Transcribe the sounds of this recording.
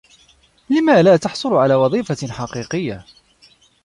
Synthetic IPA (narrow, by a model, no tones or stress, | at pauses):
lɪmaːlaːt̪ɑħsˤʊlʕalaːwɑðˤiːfaħɑqiːqɨjːa